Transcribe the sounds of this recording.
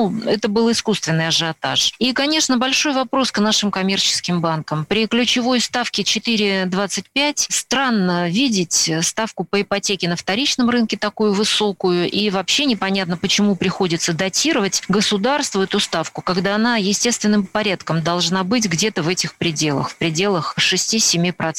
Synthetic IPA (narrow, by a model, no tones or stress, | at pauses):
uɛt̪əbɨlˠɪskust̪vʲɪnːɨjɐʐɐt̪a̰ʂikɐnʲe̞ʂnəbɐlʲʂo̞jvɐpɾo̞sknaʂɨmkɐmʲe̞rt͡ɕɪ̥skʲɪmbankəmpɾʲɪklʲʊt͡ɕɪvo̞jst̪afkʲɪt͡ɕɪt̪ɨɾʲɪd̪vat̪sɨt̚ʲpʲætʲst̪ɾanːəvʲidʲɪtʲst̪afkʊpəɪpɐtʲekʲɪnəft̪ɐɾʲit͡ɕnəmrɨnkʲɪt̪ɐkujʊvɨsokʊjʊʔivɐpɕːenʲɪpɐnʲat̪nəpət͡ɕɪmupɾʲɪxo̞dʲɪt̪səd̪ɐtʲiɾəvətʲɡəsʊd̪arst̪vʊɛt̪ʊst̪afkʊkɐɡd̪aɐnajɪsʲtʲe̞st̪vʲɪnːɨmpɐɾʲat̪kəmd̪ɐlˠʐnabɨtʲɡdʲe̞t̪əvɛtʲɪxpɾʲɪdʲe̞lˠə̰xfpɾʲɪdʲe̞lˠəxʂɨsʲtʲisʲɪmʲipɾɐ